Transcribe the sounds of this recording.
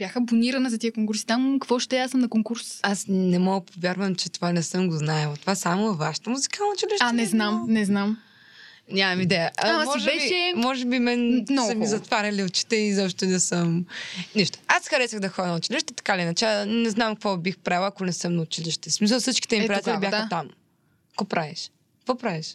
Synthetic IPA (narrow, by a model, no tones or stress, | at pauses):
b̥ʲjaxəboniɾɐnɐzɐt̪iəkoŋkuɾsi̥t̪amkɐkvɔʃt̪ɛasəmnɐkoŋkuɾsasnɛmɔɡəpovʲjaɾvəmt͡ʃɛt̪ovanɛsɤmɡoznaɛlˠɐt̪ovasamovvaʃə̥t̪əmuzi̥kənnɐʊt͡ʃiliʃɛnɛznamnɛznam | nʲamɐmid̪ɛjəʔɐmɔʒɛɛʃiɛmɔʒɛbimɛnsɐmizɐt̪vaɾʲɐliʊt͡ʃi̥t̪ɛizɔpʃt̪onɛsəmniʃt̪o̥asxɐɾɛsəɣd̪ɐxɔd̪nɐʊt͡ʃiliʃt̪ɛt̪ɐ̥kad̪ɛinɐt͡ʃɛnɛznamkvɔbixpɾalˠɐkonɛsɤmnɐʊt͡ʃiliʃt̪ɛsmis̬əlˠsit͡ʃki̥t̪ɛmippɾijat̪ɛlibʲjaɐt̪am | kɡɔpɾaviʃ | kvɔpɾaviʃ